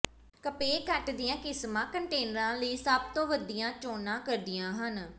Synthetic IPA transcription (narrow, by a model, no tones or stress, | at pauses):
kəpeːkəʈd̪ɪjãːkɪsmãːkəɳʈeːnəɾãːləiːsəb̚t̪õːʋəd̪ijãːt͡ʃoːnãːkəɾd̪ɪjãːɦən